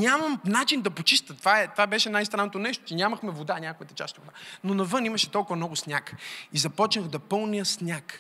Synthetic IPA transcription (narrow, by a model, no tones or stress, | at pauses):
ɲʲamɐmnat͡ʃind̪ɐpot͡ʃist̪ət̪ːvaɛt̪vabɛʃɛnajst̪ɾanːot̪onɛʃt̪o̥t͡ʃɛnʲamɐxmɛvod̪anʲakojɐt̪ɐ̥t͡ʃa̰st̪ivod̪anonɐvɤnimɐʃɛ̥t̪ɔlˠkʊvɐmnɔɡʊsnʲakizɐpɔt͡ʃnəxd̪ɐpɤlˠnijəsnʲak